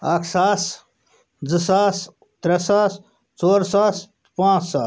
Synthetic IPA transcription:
ɐkʰsaːs | d͡zɨsaːs | t̪ɾɐsaːs | t͡soːɾsaːs | pãːt͡ssaːs

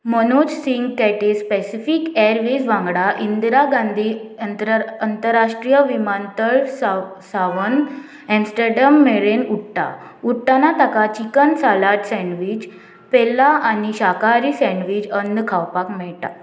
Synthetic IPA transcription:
mənod͡ʑsiŋɡkɛʈespɛsifikɛɾʋesʋãŋɡɽaʔind̪ɾaɡãnd̪ʱiəənt̪əɾːaʂʈɾijəʋimant̪əɭssaʋən | ɛ̃msʈəɾɖəmːeɭenuʈʈa̰ | uʈʈanat̪akat͡ɕikənsalaʈsɛ̃ɳɖʋid͡ʑ | pelaaniɕakaɾisɛ̃ɖʋid͡ʑənd̪kʰawpakmɛɭt̪a̰

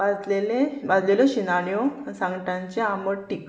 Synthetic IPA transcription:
bad͡zlelebad͡zleleɕinaɽjosãŋɡʈãɲt͡ɕeaməɽʈik

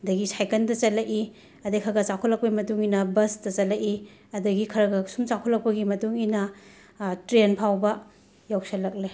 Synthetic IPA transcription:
ɐdɐɡisajkɐndɐt͡ʃɐlɐʔi | ɐdekʰɐɾɡɐt͡ʃakʰɔlɐk̚pɐɡimɐtuŋinɐbɐstɐt͡ʃɐlɐʔi | ɐdɐɡikʰɐɾɐɡɐsumt͡ʃakʰɔlːɐk̚pɐɡimɐtuŋinɐ | tɾenpʰawbɐ | jawsɐlːɐk̚le

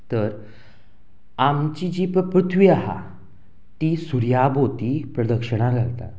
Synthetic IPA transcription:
t̪əɾ | amt͡ɕid͡ʑiːpəpɾut̪ʰʋiaɦa̰ | t̪iːsuɾjabot̪iːpɾəd̪əkʂəɽ̃aɡʱalt̪a̰t̪

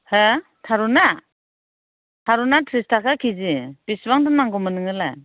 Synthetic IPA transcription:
he | tʰaɾuna | tʰaɾunatʰɾistʰakʰakʰizib̥isbaŋdɯnmaŋɡɔmɯnɯŋɯla̰

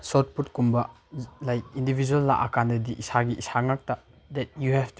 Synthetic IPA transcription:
sɔt̚put̚kumbɐ | lajk̚indibʱid͡ʒuɐlːa̰ʔakandɐdiʔisaɡiʔisaŋak̚tɐ | dɛt̚juɦɛvt

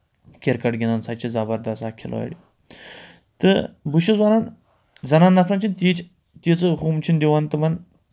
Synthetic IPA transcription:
kʲeɾkɐʈɡʲinansat͡ʃʰizɐbɐɾd̪ɐsakʰilʔo̰ɽḭ | t̪ɨbuʃizwanan | zɐnanːɐfʰɾɐnt͡ʃʰint̪it͡ʃ | t̪it͡sɨɦuːmt͡ʃʰind̪iwant̪ɨmɐn

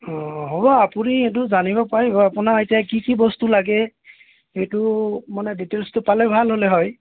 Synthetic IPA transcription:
ɔɦobɔapuniet̬ʊzanibɔpaɹibɔapʊnaetijakikibɔstulaɡɛ | ejtʊmanɛditelstʊpalɛbʱalɦolɛɦɔj

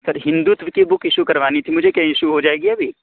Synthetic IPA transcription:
sɐɾɦɪ̃nd̪ut̪ʋkibʊkʰɪʃukɐɾʋaːnit̪ʰimʊd͡ʒʱekɐ̃ɦjiʃuɦod͡ʒaːeːɡiɐbʱi

